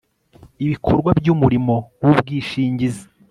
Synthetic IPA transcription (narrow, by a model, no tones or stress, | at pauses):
iβikʰoɾɡwabɟumuɾimo̞wubɡiːʃiːɲɟizi̥